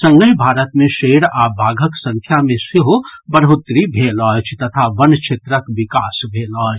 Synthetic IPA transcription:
sə̃ŋɡəjbʱaːɾət̪mẽʃeːɽabʱaːɡʱəksə̃ŋkʰjamẽsɪɦobəɾɦut̪ɾibʱelɔːjt͡ʃʰt̪ɐt̪ʰaʋənt͡ʃʰet̪ɾəkʋikaːsbʱelɔːt͡ʃ

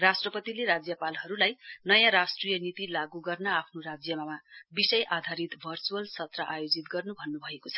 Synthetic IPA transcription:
rasʈrʌpʌt̪ileɾad͡zjʌpalɦʌɾulajnʌjãɾasʈrijʌnit̪ilaɡuɡʌrnʌapʰnoɾad͡zjʌmamabisʌjʔad̪ʱaɾit̪bʱʌrt͡suʌlsʌt̪raʔajod͡zit̪ɡʌrnubʱʌnːubʱʌekot͡sʰʌ

